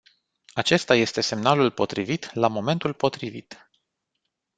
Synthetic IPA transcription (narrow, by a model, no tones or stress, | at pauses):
at͡ʃe̞st̪aje̞st̪e̞se̞mnalulpo̞t̪ɾivit̪lamo̞me̞nt̪ulpo̞t̪ɾivit̪